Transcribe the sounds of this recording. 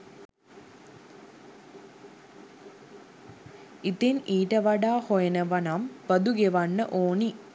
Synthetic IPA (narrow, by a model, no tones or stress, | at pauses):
it̪iniːʈɐʋɐɖaːhojɐnɐʋɐnampɐd̪uɡeʋɐɳːɐʔoːɳi